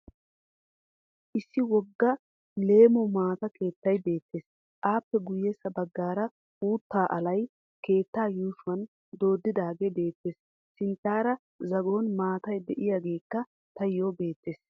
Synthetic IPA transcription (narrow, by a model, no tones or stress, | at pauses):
ʔɪsːɪwɔɡːɐ | le̞ːmɔmaːt̪ɐke̞ːt̪ːɐjbe̞ːt̪ːeːs | ʔaːpːɛɡʊjɛsɐbɐɡːaːɾɐ | ʔuːt̪ːaːʔɐlɐj | ke̞ːt̪ːaːjuːʃʊɐn | d̪o̞ːd̪ːɪd̪aːɡebe̞ːt̪ːe̞ːs | sɪnt̪ːaːɾɐ | zɐɡo̞ːnmaːt̪ɐjd̪ɛʔɪjaːɡe̞ːkːɐ | t̪ɐjːoːbe̞ːt̪ːe̞ːs